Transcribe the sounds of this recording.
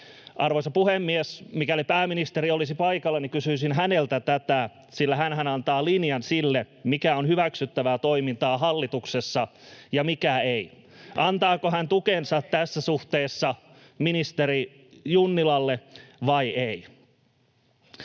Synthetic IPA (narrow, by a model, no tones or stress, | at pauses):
ʔɑrʋoisɑpuhemːiesmikælipæːminist̪eɾiolisipɑikɑlːɑnikysyisinɦænelt̪æt̪æt̪æ | silːæɦænhænɑnt̪ɑːlinjɑnsilːe | mikæonhyʋæksyt̪ːæʋæːt̪oimint̪ɑːɦɑlːit̪uksesːɑjɑmikæei | ʔɑnt̪ɑːkoɦænt̪ukensɑt̪t̪æsːæsuht̪eːsːɑ | minist̪eɾi | junːilɑlːeʋɑiei